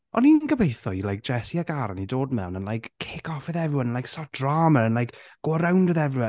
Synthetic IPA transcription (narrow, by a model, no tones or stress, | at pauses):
ɔninnɡəbejθɔilajk̚d͡ʒ̥ɛsiaɡaɾanidoːdmɛ̰wnənlˠajkʰːɪkɔfɛðɛvɾɪwənənlajksɔd̥raːməənlajkɡ̥ɔɾawndɨðɛvɨwə